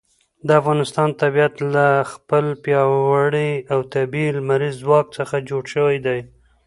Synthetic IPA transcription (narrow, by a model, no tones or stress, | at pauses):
d̪əafɣɑnɪst̪ɑnt̪abijat̪laxpəlpjɑwaɽiawt̪abilmaɾizːwɑk̚t͡səxad͡ʒoɽʃəwajd̪aj